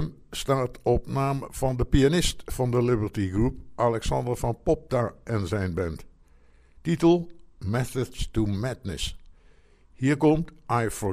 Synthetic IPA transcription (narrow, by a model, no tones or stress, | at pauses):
m | staːtɔpnaːmv̥ɑndəpianɪstfɑndəlɪbəɹtiɡrup̚ʔalɛksɑndərfɑnpɔp̚taʔɛnzɛjnbɛnt | titəlˠmɛθədstumɛtnə̰s | hiːəɹkɔmtʔajfɔ